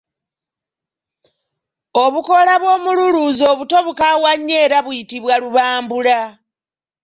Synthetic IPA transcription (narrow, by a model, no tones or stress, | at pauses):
o̞βuko̞laβwo̞ːmululuzo̞ːβuto̞βukawaɲːeːɾaβwitiβwaluβaːmbula